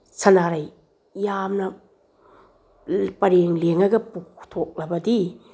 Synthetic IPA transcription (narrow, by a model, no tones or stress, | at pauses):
sɐnaɾaj | jamnɐ | pɐɾeŋleŋɐɡɐpuktʰok̚lɐbɐdi